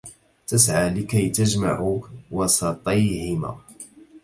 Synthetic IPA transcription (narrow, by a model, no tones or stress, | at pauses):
t̪asʕaːlɪkajt̪ad͡ʒma̰ʕuwɑsˤɑt̪ˤɑjhɪma̰ː